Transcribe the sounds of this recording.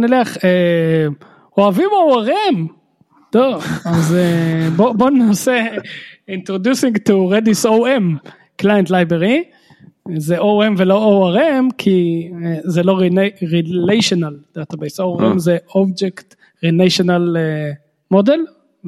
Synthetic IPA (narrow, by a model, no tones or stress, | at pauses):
nileaχe | oavimowaʁem | d̥oazebobonase | intʁodjusĩŋɡtuʁedisowem | klajentlajbʁeʁi | zeʔowemvelo̞owaʁemkʰi | zeloʁinʁilejʃonald̥at̪abejsoʁemzeobd͡ʒekt | ʁinejʃonale | model